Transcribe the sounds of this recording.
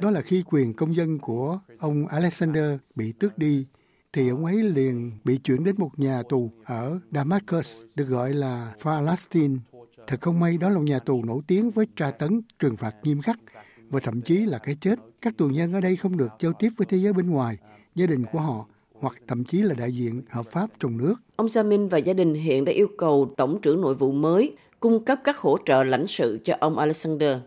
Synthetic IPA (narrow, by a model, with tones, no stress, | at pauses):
ɗɔ˨˦laː˨˩xi˧kwi˨˩ənkə˧wŋ͡mzə˧nku˧˩əʔə˧wŋ͡mʔaː˧lɛ˦˥k̚saː˧nɗəː˧ɓḭ˧˨t̪ɨ˦˥ək̚ɗi˧ | t̪ʰi˨˩ʔə˧wŋ͡mʔə˨˦jli˨˩˨ənɓḭ˧˨t͡ɕwḭ˧˩ənɗe˨˦nmo˨˩t̚ɲaː˨˩t̪u˨˩ʔəː˧˩ɗaː˧maː˦˥t̚ko˧˦sɗɨ˨˩ək̚ɣɔ̰˧˨jlaː˨˩faː˧la˦˥st̪i˧nt̪ʰɨ˨˩k̚xə˧wŋ͡mma˧jɗɔ˨˦laː˨˩o˨˩t̚ɲaː˨˩t̪u˨˩no̰˧˩jt̪i˨˦ənvəː˨˦jt͡ɕaː˧t̪ə˨˦nt͡ɕwɨ˨˩əŋfaː˨˩t̚ɲi˧əmxa˦˥k̚ | vaː˨˩t̪ʰə̰˧˨mt͡ɕi˨˦laː˨˩kaː˨˦jt͡ɕe˦˥t̚ka˦˥k̚t̪u˨˩ɲə˧nʔəː˧˩ɗə˧jxə˧wŋ͡mɗɨ˨˩ək̚zaː˧wt̪i˦˥əp̚vəː˨˦jt̪ʰe˨˦zəː˨˦jɓe˧nŋwaː˨˩j | zaː˧ɗï˨˩ŋ̟ku˧˩əɦɔ̰˧˨ | hwa˨˩k̚t̪ʰə̰˧˨mt͡ɕi˨˦laː˨˩ɗa̰ː˧˨jzḭ˧˨ənhəː˨˩p̚faː˦˥p̚t͡ɕɔ˧wŋ͡mnɨ˦˥ək̚ʔə˧wŋ͡mzaː˧mi˧nvaː˨˩zaː˧ɗï˨˩ŋ̟ɦḭ˧˨ənɗa̰ː˧˥ʔi˧əwkə˨˩wt̪ə˧˩wŋ͡mt͡ɕɨ̰˧˩əŋno̰˧˨jvṵ˧˨məː˨˦j | kʊ˧ŋ͡mkə˦˥p̚kaː˦˥k̚ho˧˥t͡ɕə̰ː˧˨la̰˧˩jŋ̟sɨ̰˧˨t͡ɕɔ˧ʔə˧wŋ͡mʔaː˧lɛ˦˥k̚saː˧nɗəː˧